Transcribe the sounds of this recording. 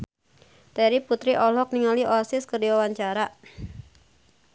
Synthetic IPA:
t̪ɛɾiput̪ɾiʔɔlɔk̚niŋaliʔɔsɪskərdiwawaɲt͡ʃaɾa

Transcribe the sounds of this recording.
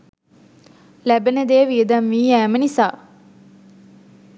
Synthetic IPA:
læbened̪eːʋiəd̪amːiːæːmənisaː

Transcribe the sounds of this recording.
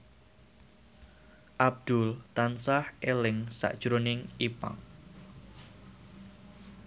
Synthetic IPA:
ʔab̚d̪̥ʊlt̪ansahʔelɪŋsa̰ʔd̥ʒ̥ɾonɪŋipa̰ŋ

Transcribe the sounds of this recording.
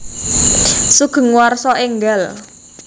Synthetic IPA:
suɡ̥ə̤ŋuwarsɔʔeŋɡal

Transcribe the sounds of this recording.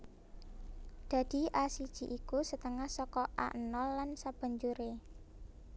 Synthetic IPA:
d̪̥ä̤d̪̥i̤ʔasid̥ʒ̥i̤ʔikusət̪əŋahsɔkɔʔa̰ʔnɔlːansab̥ə̤ɲd͡ʒuɾe

